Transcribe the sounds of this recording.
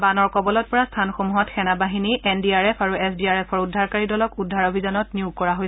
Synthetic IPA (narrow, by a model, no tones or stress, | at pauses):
banɔɹkɔbɔlɔt̚pɔɹastʰanxomuɦɔtxɛnabaɦiniʔɛndiaɹɛpʰaɹuɛsdiaɹɛpʰɔɹudʱːaɹkaɹidɔlɔkudʱːaɹobʱizanɔtniukɔɹaɦoj